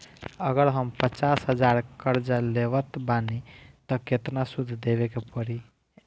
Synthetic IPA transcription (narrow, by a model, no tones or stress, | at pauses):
əɡəɾɦəmpət͡ʃasɦəd͡ʒaɾkəɾd͡ʒaleβət̪banit̪ɔket̪nasud̪ʱd̪ebekepəɽi